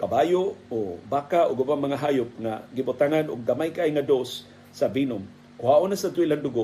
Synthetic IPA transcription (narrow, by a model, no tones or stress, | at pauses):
kabajoʔobaːkaʔʊɡʊmaŋmaŋaɦajʊp̚ŋaɡɪbʊt̪aŋanʊɡ̚damajkaʔajŋad̪osː | avinʊm | kʊhaʔonasat̪ʊiland̪ʊɡo